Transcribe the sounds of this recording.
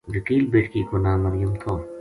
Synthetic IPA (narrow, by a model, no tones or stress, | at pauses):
ʋɐkiːlbeːʈkikonaːmːɐɾjumt̪ʰoː